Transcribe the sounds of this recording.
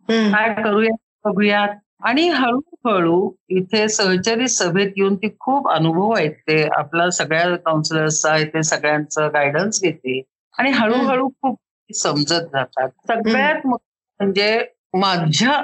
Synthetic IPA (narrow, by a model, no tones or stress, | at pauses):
kajkəɾuːja | pəɡujat̪̚ | aɽ̃iɦəɭuɦəɭuːit̪ʰesəɦt͡ɕaɾiːsəbʱet̪juːnt̪iːkʰuːpənubʱəʋajt̪ea̰plasəɡɭjakawnsləɾt͡səɦet̪esəɡɭjant͡səɡajɽənsɡet̪e | aɽ̃iɦəɭuːɦəɭuːkʰuːp̪̚ | iːsəmd͡zət̪̚d͡zʱat̪at̪̚səɡɭjat̪mə | m̤əɳd͡ze | mad͡ʑʱa